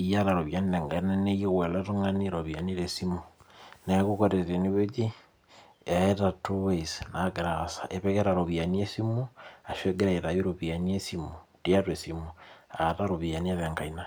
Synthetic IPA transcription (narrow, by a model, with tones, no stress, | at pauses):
ija˦ɾa˨ɾo˨βjaniðɛ˨ŋɡa˨i˦na˦ne˦jo˦ɣwɛ˨la˦to˦ŋani˦ɾoβja˨niɾe˨simu | nɛ˨a˦kokoɾe˨te˨ni˦βe˦t͡ʃi˦ | a˨etatuwesna˨ɡɾasa̰˨ʔe˨βɛkɛɾa˨ɾo˨βja˨niesi˦mu˦a˨ʃwe˦ɡɛ˦ɾae˨ɾa˨jo˦ɾoβia˨nie˦simu˨ti˦a˦twe˨simuataɾoβia˨ni˦e˦ðɛ˨ŋɡa˨ina